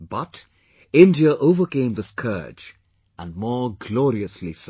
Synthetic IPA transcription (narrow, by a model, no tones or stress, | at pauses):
b̥ʌt | ɪ̃ndiəʔoʊvə˞kẽɪ̃mðɨskʰɜ̰˞d͡ʒ | ə̃nmɔɹɡlɔɹiɨslis